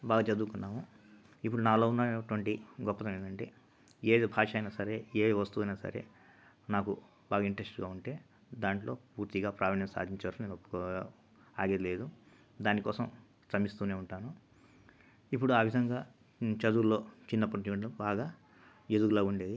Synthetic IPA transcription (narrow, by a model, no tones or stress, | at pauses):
baːɡɐt͡ʃɐd̪uːkunːaːmu | ipːuɽunaːlo̞ːunːɐʈʋɐɳʈiɡɔpːɐt̪ɐmed̪ɐɳʈe̞̰ː | eːbʱaːʂɐjnaːsɐɾe̞ːeːʋɐst̪uːɐjnaːsɐ̰ɾe̞̰ː | naːku | baːɡɐiɳʈɾesʈɡaːuɳʈe̞ː | d̪aːɳʈlo̞ːpuːɾt̪iɡaːpɾaːʋɐɳjɐmsa̰ːd̪ʱiɲt͡ʃɐʋɐɾkineːnopːkː | aːɡed̪ileːd̪u | d̪aːnikɔːsɐm | tɐmist̪uːne̞ːuɳʈaːnu | ip̬ːuɽuaːʋid̪ʱɐŋɡaː | t͡ʃɐd̪ulo̞ːt͡ʃinːɐpːɐɽit͡ʃiʋiɳʈbaːɡaː | ed̪uɡulaːuɳɖe̞ːd̪i